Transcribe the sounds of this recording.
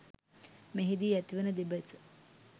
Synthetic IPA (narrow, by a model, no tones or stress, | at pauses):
meɦid̪iːæt̪iʋenəd̪ebət͡sə̥